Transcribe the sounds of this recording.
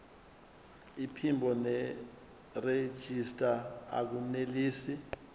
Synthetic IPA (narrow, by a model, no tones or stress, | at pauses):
ipʰimbʱɔnɛ | re̥ʒ̥ʱistʼaa̰k̬uneliːsi